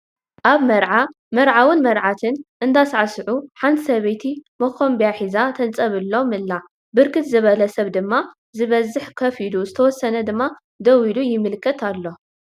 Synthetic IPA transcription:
ʔaβmɐɾʕa | mɐɾʕawɨnmɐɾʕat̪ʰɨnʔɨnd̪asʕasɨʕuħant̪ʰsɐβet̪ʰimɐkʰombijaħizat̪ʰɐnt͡sʼɐβɨlːo̞mɨlːa | bɨɾkʰɨt̪zɨβɐlɐsɐβd̪ɨmːa | zɨβɐzːɨħkʰɐfiluzɨt̪ʰɐwɔsːɐnɐd̪ɨmːa | d̪ɐwilujɪmːɨlkʰːɐt̪ʰalːo̞

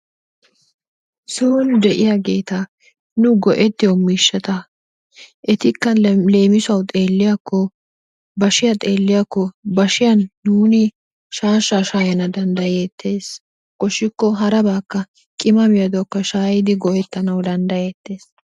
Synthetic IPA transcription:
soːnd̪ɛʔɪjaɡe̞ːt̪ɐ | nʊɡɔʔɛt̪ːɪjɔmiːʃːɛt̪ɐ | ʔɛt̪ɪkːɐle̞ːmɪsɐwt̪ʼe̞ːlːɪjɐkːɔ | bɐʃɪjɐt̪ʼe̞ːlːɪjakːɔbɐʃɪjɐnːuːnɪ | ʃaːʃːaʃaːjɐnɐd̪ɐnd̪ɐjeːt̪ʰːe̞ːs | kʼɔʃɪkːɔɦɐɾɐbaːkːɐ | kʼɪmɐmɪjɐd̪ɔkːɐʃaːjɪd̪ɪɡɔʔɛt̪ːɐnɐwd̪ɐnd̪ɐjeːt̪ːe̞ːs

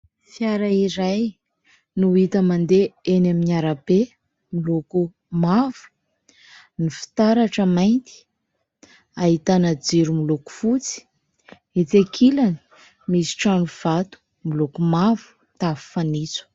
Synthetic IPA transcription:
fjaɾaiɾaj | nuit̪əmand̪eenaminaɾape | miluku | mavu̥ | nifi̥t̪aɾaʈ͡ʂəmajnt̪i̥ | aɦit̪anad͡ziɾumiluku̥fut͡si̥ | et͡sekʰilani̥ | misi̥ʈ͡ʂanuv̥at̪u̥ | milukumavu̥ | t̪avi̥fanit͡su̥

